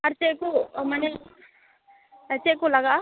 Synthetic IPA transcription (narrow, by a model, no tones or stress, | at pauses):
ɐɾt͡ʃekumɐne | ɐt͡ʃekulaɡa